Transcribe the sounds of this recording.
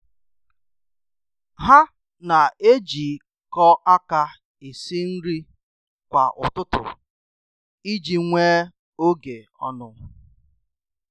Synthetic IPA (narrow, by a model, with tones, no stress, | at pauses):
ɦa˦ | na˨e˦d͡ʒi˨ | kɔ˦ʔa˦ka˦ | i˨si˦n̩˦ɾi˦ | kʷa̰˨ʔʊ̰˨tʊ˦tʊ̰˨ | i˦d͡ʒi˨ŋʷeː˦ | o˦ɡe˨ɔ̰˦nʊ˨˦